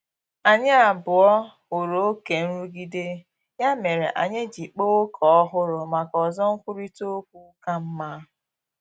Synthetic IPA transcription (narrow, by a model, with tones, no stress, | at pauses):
a˨ɲɪ˦a˨bʊ˨ɔ˦ | ʊ˨ɾo˨o˦ke˨n̩˦ɾu˦ɡi˦de˦ | ja˦me˨ɾḛ˨ʔa̰˨ɲe˦d͡ʒi˨k͡po˦kʰɔ˨ɔ˦ɦʊ˦ɾʊ˨ma˨kɔ˨zɔ˦ŋ̩˦kʷu˦ɾi˦to˦kʷu˦ka˦m̩˦ma˦